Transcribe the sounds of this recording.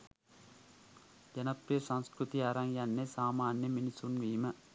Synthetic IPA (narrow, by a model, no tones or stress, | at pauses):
d͡ʒɐnɐpɾijɐsɐŋskɾut̪iaːɾɐŋjɐnːesaːmaːnːɐminisunʋiːmɐ